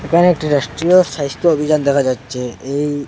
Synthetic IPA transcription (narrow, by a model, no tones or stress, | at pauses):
ekʰaneek̚ʈiɾaʃʈɾioʃaɦist̪oobʱid͡ʑand̪ɛkʰad͡ʑatːɕʰeej